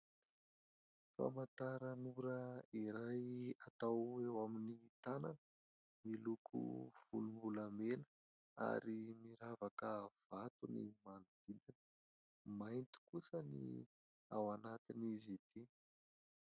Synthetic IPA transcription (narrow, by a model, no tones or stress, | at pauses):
fa̰mant̪aɾənuɾəiɾajat̪awewaminit̪ananə | milukʰṵv̥ṵlumbulamenə̥ | a̰ɾimiɾavakəv̥at̪unḭmanud̪̥id̪inə | majnt̪i̥kusənḭ | awanat̪inizid̪̥i